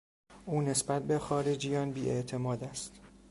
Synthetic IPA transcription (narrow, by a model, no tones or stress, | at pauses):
ʔuːne̞sbæt̪̚be̞xɒːɾed͡ʒijɒːnbiːʔeʔt̪ʰe̞mɒːd̪æst̪